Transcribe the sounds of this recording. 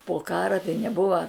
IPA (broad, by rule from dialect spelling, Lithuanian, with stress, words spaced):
poː ˈkɑːrɐ tɐɪ nʲɛˈbʊʋɐ